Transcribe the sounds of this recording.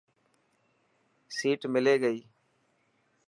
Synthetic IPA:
siːʈmɪleːɡəiː

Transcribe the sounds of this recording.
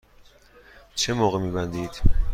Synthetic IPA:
t͡ʃʰemɒːɣemiːbænd̪iːd̪̥

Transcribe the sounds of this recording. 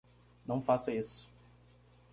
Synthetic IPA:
nɐ̃w̃fasɐisʊ̥

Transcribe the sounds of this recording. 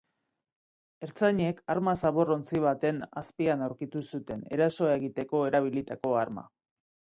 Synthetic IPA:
e̞ɾt͡saɲe̞kaɾmasaβo̞ro̞nt͡siβ̞at̪e̞na̰spianawɾkit̪usut̪e̞ne̞ɾaso̞aeɣit̪e̞ko̞e̞ɾaβ̞ilit̪ako̞aɾma̰

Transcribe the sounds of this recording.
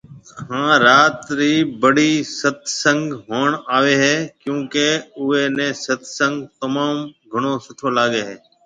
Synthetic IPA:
ɦãːɾaːt̪ɾiːbəɽiːsət̪ʰsə̃ŋɡɦoːɳaːʋeːɦeːkjũːkeːʊeːnɛ̃ːsət̪ʰsə̃ŋɡt̪əmaːmɡʱəɳ̃oːsʊʈʰoːlaːɠeːɦeː

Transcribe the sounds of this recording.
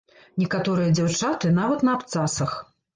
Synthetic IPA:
nʲɛkat̪ɔɾɨjɐd͡zʲawt͡ʂat̪ɨnavɐt̪nɐːpt̪sasɐx

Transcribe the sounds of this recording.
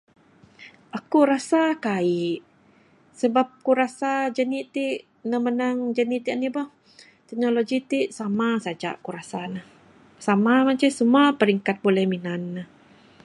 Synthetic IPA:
ʔakuɾasakaiʔ | səbap̚kuɾasad͡ʒənit̪iʔ | nahmənaŋd͡ʒənit̪iʔanibɔh | t̪ɛk̚noloɡit̪iʔsamasad͡ʒa̰ʔkuɾasanah | samamat͡ʃəsəmuapəɾiŋkat̪̚bolɛhminanːəh

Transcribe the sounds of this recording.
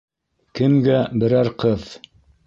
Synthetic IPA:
kɘ̆mɡæbɘ̆ɾæɾqɤð

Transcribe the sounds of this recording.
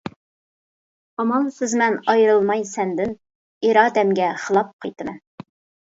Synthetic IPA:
ɑmɑnsɪzmɛnɑjɾɨlˠmɑjsɛnd̪ɪn | iɾɑːd̪ɛmɡʲɛχəlˠɑp̚qʰɑjt̪ɨmɛn

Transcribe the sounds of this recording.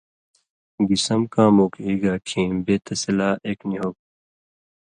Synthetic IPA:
ɡisɐmkãːmoːkiːɡaːʈʰĩːmbeːt̪ɐsilaːʔeːkniɦok̚

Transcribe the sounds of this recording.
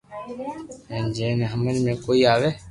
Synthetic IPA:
ẽːnd͡ʒẽːneɦəməlmẽːkoːiːaːʋeː

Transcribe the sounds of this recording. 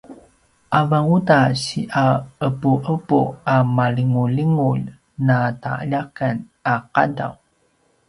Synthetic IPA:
ʔavaŋutaɕiʔaəpuʔəpuamaliŋuliŋuʎ | nataa̰ʎakan | aqa̰da̰w

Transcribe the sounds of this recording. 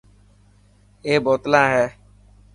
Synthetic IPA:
eːbɔt̪lãːɦɛː

